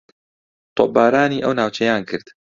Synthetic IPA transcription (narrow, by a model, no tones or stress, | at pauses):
t̪ʰobaːɾaːniːʔəwnaːwt͡ʃʰɛjaːnkʰɨɾd̪̥